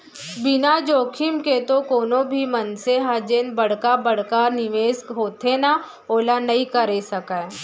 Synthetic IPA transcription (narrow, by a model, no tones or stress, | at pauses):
bɪnad͡ʒoːkʰɪmket̪okoːnõbʱimɐnseɦad͡ʒeːnbɐɽ̤kabɐɽ̤kanɪʋeːsɦoːt̪ena | oːlanɐĩkəɾesɐka